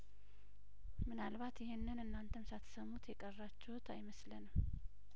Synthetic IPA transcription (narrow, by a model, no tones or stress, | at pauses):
mɨnalβat̪jɪhenːɨnɨnːant̪ʰəmsat̪ʰsəmut̪jɛkʼərːat͡ʃːɛwʊt̪ʰa̰jməslənɨm